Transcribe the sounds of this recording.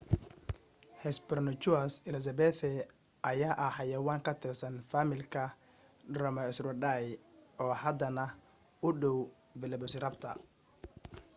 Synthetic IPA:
hɛsbɔrnɔt͡ʃʊɐsɪlɐs̬ɐbɛːθʰɛ | ʔɐjaːʔɐħɑjɐwaːŋkʰɐt̪ʰɪrsɐnfamɪlkʰɐ | rɔmɐɛsrʊɖajɔːhɐd̪ɐnɐ | ʊɖɔw | vɛlɛbɔsrɐbt̪ʰɐ̰

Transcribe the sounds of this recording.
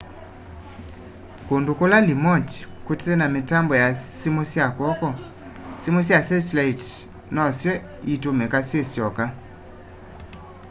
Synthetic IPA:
kondukolalimɔti̥kutɛnametambɔjasimosjakɔkɔ | simosijasɛtlait | nɔsjɛ | itomɛkasjesjɔka

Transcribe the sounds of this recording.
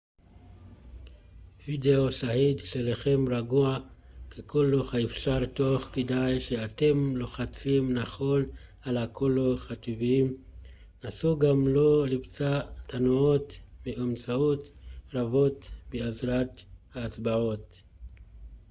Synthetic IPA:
videoʃahidʃelaχe̞mɾaɡua | kekʰoloχaefʃaɾt̪oχkedajʃeat̪e̞mloχat͡simnaχo̞n | alakʰoloχat̪iviim | nasuɡamlo̞libt͡satʰanuotmeamt͡saotɾavo̞tbeazɾat̪haːt͡sbaʕo̞t

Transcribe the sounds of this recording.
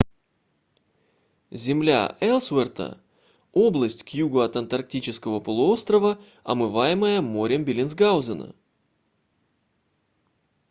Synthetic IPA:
zʲɪmlʲa̰ʔɛlˠsvɛrt̪ə̰ | o̞blˠəsʲtʲkjuɡəɐt̪ɐnt̪ɐrk̚tʲit͡ɕɪskəvəpəlˠʊo̞st̪ɾəvə | ɐ̰mɨvajɪməjəmo̞ɾʲɪmbʲɪlʲɪnsɡawzənə̰

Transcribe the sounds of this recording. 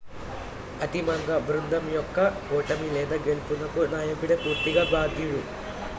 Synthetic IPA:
ɐt̪imɐŋɡɐbɾund̪ɐmjɔkːɐɔːʈɐmilɛːd̪aːɡe̞lupunɐkunaːjɐkuɽepuːɾt̪iɡaːbaːd̪juɽu

